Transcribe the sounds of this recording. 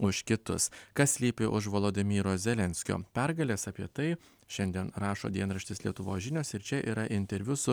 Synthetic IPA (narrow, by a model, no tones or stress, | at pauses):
ʊʃkʲɪt̪ʊ̰skɐssʲlʲiːpʲɪʔʊʃʋolˠoːd̪ʲɪmʲiːɾoːszʲɛlʲɛnʲsʲkʲo̰ːpʲɛɾɡɐlʲeːsɐːpʲiɛt̪ɐɪ | ʃʲɛnʲd̪ʲiɛnɾɑːʃo̰ːd̪ʲiɛnɾɐʃʲt̪ʲɪslʲiɛt̪ʊʋoːsʒʲɪnʲoːsɪɾt͡ʃʲɛʔiːɾɐʔɪnʲt̪ʲɛɾʲʋʲʊsʊ